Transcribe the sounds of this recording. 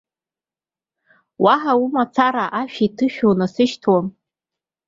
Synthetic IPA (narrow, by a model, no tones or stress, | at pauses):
waħaumat͡sʰaɾaʔaʃᶣaitʰɨʃᶣonasɨʃtʰwam